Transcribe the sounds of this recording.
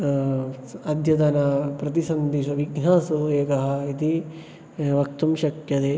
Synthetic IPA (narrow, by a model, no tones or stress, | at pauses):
ɐd̪ʱjɐt̪ɐnɐpɾɐt̪isɐnd̪iʃɐʋiɡnaːsueːkɐɦɐ̆it̪i | ʋɐk̚t̪umʃɐk̪jɐt̪eː